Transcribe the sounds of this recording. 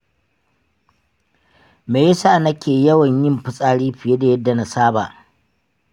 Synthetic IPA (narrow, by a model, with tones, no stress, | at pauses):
meː˨jsa˦˨nɐ˦kʲeː˨jɐ˦wɐ˨ɲjɪ˦mɸɪ˦sʼaː˦ɽiː˦ɸɪ˨je˦da˨jɐ˦dːa˨na˦saː˦ba̰ː˨ʔ